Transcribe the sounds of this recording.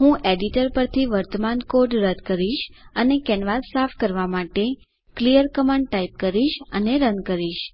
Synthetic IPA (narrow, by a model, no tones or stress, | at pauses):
ɦũʔeɖiʈəɾpəɾt̪ʰiʋəɾt̪əmankoɾɖɾəd̪ʱkəɾiʃənekɛnʋaɾsafkəɾʋamaʈe | klijəɾkəmaɳɖ̚ʈaip̚kəɾiʃəneɾənkəɾiʃ